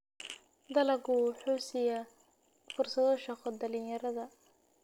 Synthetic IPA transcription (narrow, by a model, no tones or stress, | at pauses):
d̪ɐlɐɡuħuːsɪjɐ | fʊrsɐðɔʃɐqɔd̪ɐlɪnjɐɾɐðɐ